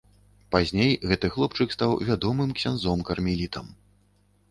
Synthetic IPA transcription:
pazʲnʲejɣɛt̪ɨxlˠɔpt͡ʂɨkst̪awvʲad̪ɔmɨmksʲanzɔmkɐrmʲilʲit̪ɐm

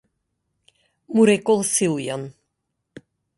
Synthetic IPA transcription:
muɾɛkolˠsilˠjan

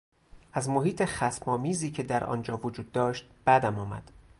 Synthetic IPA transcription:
ʔæzmo̞ɦiːt̪ʰe̞χæt̪mɒːmiːziːcʰe̞d̪æɾʔɒ̰nd͡ʒɒːvod͡ʒuːd̪ːɒːʃt̪̚b̥æd̪æmɒːmæ̰d̪̥

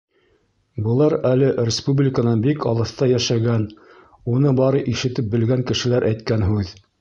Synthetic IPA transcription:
bɤ̆lˠɑɾælɘrʲɪspublʲɪkənɑnbikɑlˠɤ̆θt̪ɑjæʃæɡæn | unɤbɑɾɤʔiʃɘ̆t̪ɘp̚bɘ̆lɡæŋkɘ̆ʃɘ̆læɾʔæjt̪kænɦʉð

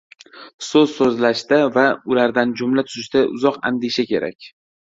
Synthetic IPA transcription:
sɵzsɵzlaʃd̪avaʊlaɾd̪and͡ʒʊmlat̪ʰʊzɪʃd̪aʔʊ̰zɒqa̰nd̪ɪʃakʲʰe̞ɾa̰kʲ

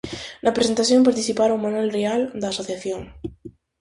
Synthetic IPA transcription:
napɾesent̪asθjompaɾt̪iθipaɾaumanwelreald̪aːsoθjaθjoŋ

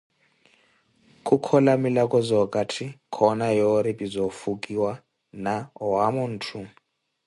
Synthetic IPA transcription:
kʼukʰɔlamilakʼɔzɔkʼatʰikʰɔnajoɾipʼizɔfukʼiwa | naɔwamun̩ːtʰu

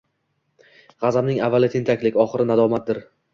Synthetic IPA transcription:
ʁɑzamnɪŋavːalɪt̪ʰent̪ʰakʲlɪkʲɒχɨɾɪnad̪ɒmat̪̚d̪ɪɾ

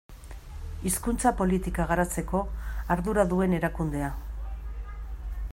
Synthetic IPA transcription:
iskunt͡sapo̞lit̪ikaɣ̞aɾat͡se̞ko̞aɾðuɾaðue̞ne̞ɾakund̪e̞a

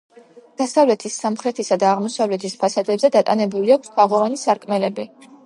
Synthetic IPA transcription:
d̪̥asavlɛt̪ʰisːamχɾɛt̪ʰisad̪aːʁmɔsavlɛt̪ʰispʰasad̪ɛbzɛd̪at̪ʼanɛbuliakʰʷsk̪ʰaʁɔvanisaɾkʼmɛlɛbi

